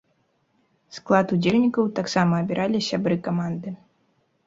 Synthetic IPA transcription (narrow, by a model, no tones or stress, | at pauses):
sklˠat̪ud͡zʲelʲnʲikɐwt̪aksamɐːbʲiɾʔalʲisʲabɾɨkamand̪ɨ